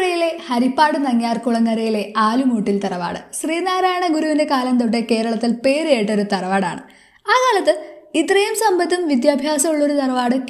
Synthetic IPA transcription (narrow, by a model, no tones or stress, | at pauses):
ɽɐjile̞hɐɾipːaːɽɨnɐŋːjaːrkuɭɐŋːɐɾɐjile̞aːlumuːʈːilt̪ɐrɐʋa̰ːɽɨ̰ɕriːnaːɾaːjɐɳɐɡuɾuʋinde̞kaːlɐmt̪oʈ̬ːeke̞ːɾɐɭɐt̪ːilpe̞ːɾeːjiʈːo̞ɾut̪ɐrɐʋaːɽa̰ːɳɨ | aːkaːlɐt̪ːɨit̪ːrɐjumsɐmbɐt̪ːumʋid̪jaːbʱjaːsɐmuɭːo̞ɾut̪ɐrɐʋaːɽɨk